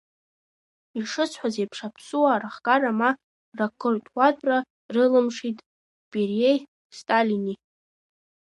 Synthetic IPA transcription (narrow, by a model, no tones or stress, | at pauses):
iʂɨt͡sʰħʷazejpʰʂapʰsuwaɾaχkʼarama | rakʰʼɨrtʼʷatʰʼra | rɨlɨmʂitʼ | pʼirej | stʼalini